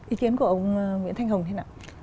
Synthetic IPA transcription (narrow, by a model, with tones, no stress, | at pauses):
ʔi˨˦ki˨˦nku˧˩ə˨ŋḭ˧˥nt̪ʰŋɦə˨˩ŋ͡mt̪ʰe˨˦naː˨˩